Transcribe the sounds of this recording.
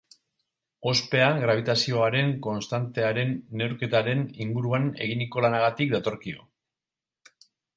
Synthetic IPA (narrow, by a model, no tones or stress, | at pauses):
o̞spe̞aɣɾaβ̞it̪asio̞aɾe̞ŋko̞nst̪ant̪e̞aɾe̞nːe̞wɾke̞t̪aɾe̞niŋɡuɾuane̞̰ɣ̞iniko̞lanaɣat̪ikd̪at̪o̞ɾkio̞̰